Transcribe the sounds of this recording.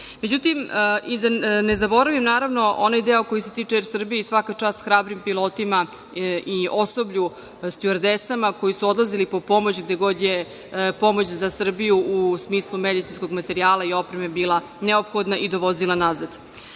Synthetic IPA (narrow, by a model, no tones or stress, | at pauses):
med͡ʑut̪imid̪anezabo̞ɾaʋimnaːɾavno̞onajd̪eoko̞juset̪iːt͡ʂeeɾsr̩bijeisʋakat͡ʂaːst̪xɾaːbɾimpilˠo̞ːt̪ima | io̞so̞bʎu | st̪jueɾd̪esamako̞jisuo̞d̪lˠazilipopo̞mo̞t͡ɕɡd̪e̞ɡo̞d̪je | po̞mot͡ɕzasr̩bijuusmiːslˠumed̪it̪sinsko̞ɡmat̪e̞ɾiaːlˠaio̞pɾeme̞biːlˠa | neopxod̪naʔid̪o̞ʋo̞zilˠanazad̪̥